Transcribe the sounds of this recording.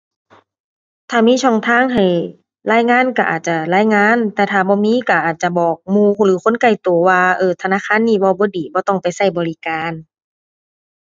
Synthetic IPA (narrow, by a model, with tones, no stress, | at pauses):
t̪ʰaː˧˩miː˧˥˨t͡ɕʰɔː˧˥˩ŋt̪ʰaː˧˥˨ŋɦa˨˩j | laː˧˥˨jŋaː˧˥˨nka˧˩ʔa̰ː˨˩t̪̚t͡ɕa˧˩laː˧˥˨jŋaː˧˥˨nt̪ɛː˧˩t̪ʰaː˧˩bɔː˧˦miː˧˥˨ka˧˩ʔaː˨˩t̪̚t͡ɕa˧bɔː˨˩k̚muː˧˨lɯː˨˦xʰo˧˥˨nka˧˩jt̪o˨˩waː˧ʔɤː˧˩t̪ʰa˧naː˧˥˨kʰaː˧˥˨nːiː˧˩˨bɔː˧˦bɔː˧˦diː˨˩bɔː˧˦t̪ɔ˧˩ŋpa˨jsa˧˥˩jbɔː˨li˧˨kaː˨˧˨n